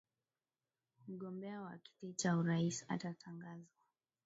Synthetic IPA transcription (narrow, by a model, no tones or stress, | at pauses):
m̩ɠɔmbɛawa̰ki̥tit͡ʃauɾaisa̰tatʰaŋɡazwa